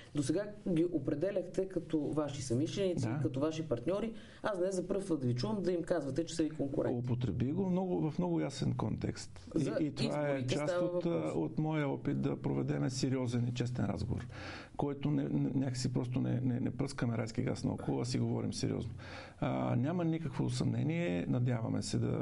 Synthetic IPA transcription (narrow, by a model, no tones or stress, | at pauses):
d̪osɛɡaɡʲiʔopɾɛd̪ɛlʲəxt̪ɛkɐt̪ɔvaʃisɐmiʃɛnid̪aikɐt̪ɔvaʃipɐɾt̪nʲɔɾi | asd̪nɛzzɐpɾɤft̪vəd̪ɐvit͡ʃuvəmd̪ɐimkazvɐt̪ɛt͡ʃɛ̥sɐvikoŋkʊ̰ɾɛopot̪ɾɛbiɡomnɔɡʊvɐfnɔɡʊjasɛnkɔnt̪ɛ̰kst̪ | iit̪ovaɛt͡ʃ̪asot̪ot̪mɔjəɔpit̪̚d̪ɐpɾovɛd̪ɛmɛsɛɾiɔzɛnit͡ʃɛst̪ɛnɾa̰zɡovo̰ɾ | kɔɛt̪onɛnɛnʲjakə̥sipɾɔst̪ʊnɛ̰nɛnɛ̰pɾɤskəmɛɾajsk̟iɡa̰snɐ̰ɔ̰kolˠɐsiɡovɔ̰ɾḭmsɛɾḭɔ̰zno | nʲjamənikəkvosɐmnɛ̰niɛnɐd̪ʲjavɐ̰mɛ̰sɛd̪ɐ̰